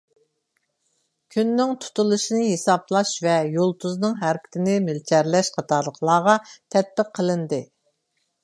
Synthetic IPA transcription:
kʲʰynːɪŋt̪ʰu̥t̪ulˠɨʃinɨɦesɑblˠɑʃvɛjolˠt̪ʰuznɨŋɦæɾkʲɪ̥t̪ʰɪnɪmɪlt͡ʃʰæɾlɛʃqʰɑt̪ʰɑɾlˠəqlˠɑːʁɑt̪ʰɛt̪̚bɪqʰːəlˠɨnd̪ɨ

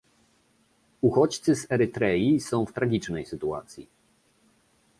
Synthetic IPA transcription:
uxɔt͡ɕt̪sɘzɛɾɘt̪ɾɛjisɔ̃w̃ft̪ɾaɡʲit͡ʂnɛjsɘt̪ua̰t̪sʲji

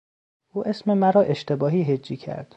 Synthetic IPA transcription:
ʔuːʔesmemæɾɒːʔe̞ʃt̪ʰe̞bɒːɦiːɦed͡ʒːiːcʰæ̰ɾd̪̥

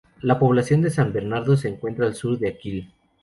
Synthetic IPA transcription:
lapo̞β̞lasjo̞nd̪e̞sambe̞ɾnaɾðo̞s̬e̞ːŋkwe̞nt̪ɾaːlsuɾðeakil

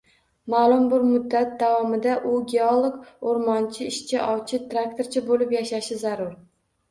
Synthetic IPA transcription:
maːlˠʊmbʊɾmʊd̪ːat̪̚d̪avɒmɪd̪aʔʊɡʲeolˠoɡoɾmɒnt͡ʃʰɪɪʃt͡ʃʰɪʔɒwt͡ʃʰɪt̪ʰɾak̚t̪ʰoɾt͡ʃʰɪbolɪpjaʃaʃɪzaɾʊɾ

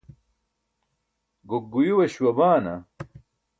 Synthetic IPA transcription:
ɡokːujiwɐɕwɐbaːnɐ

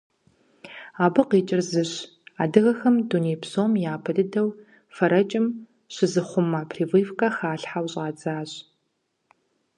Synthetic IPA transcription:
aːbɨqeːt͡ʃʼɪrzɨɕ | aːdɨɣɐxɐmdunejpsoːmjaːpʰɐdɨdɐw | fɐɾɐt͡ʃʼɪm | ɕɪzɨχʷʊmːɐpʰriːvɨːfkʼɐxaːɬħawɕʼaːd͡zaːɕ

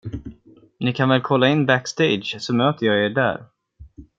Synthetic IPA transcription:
nɪkʰanvɛlkʰɔlːaɪnːbækst̪ed̪ʃsɔmøːt̪əjɑːeːɖæ̰ːɾ

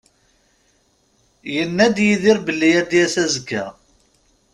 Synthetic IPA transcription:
jənːæd̪jiðɪɾbəlːijæd̪jæsæzəɡæ̰

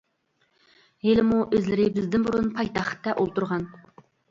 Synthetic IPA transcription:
helɪmuʔøzlɪɾɪbɪzd̪ɪnbuɾunpʰɑjt̪ɑχt̪ːɛʔolˠt̪uɾʁɑn

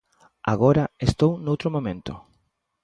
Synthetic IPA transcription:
a̰ɣoɾɐest̪ownowt̪ɾomõmẽnt̪ʊ

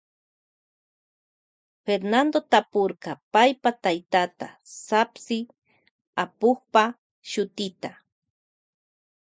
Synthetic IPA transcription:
feɾnand̪ot̪apoɾkɑpajpat̪ajt̪at̪a̰sapsɪ | apoχpa | ʃʊt̪ɪt̪a

